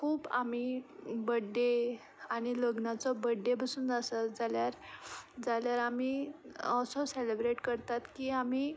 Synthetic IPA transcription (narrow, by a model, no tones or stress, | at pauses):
kʰuːba̰mibəɖːe | aɽ̃iləɡnat͡sɔbəɖːepəsuːnd͡zasad͡zaljaɾd͡zaljaɾamiːɔsɔselebɾeʈkəɾt̪at̪kiːam̤iː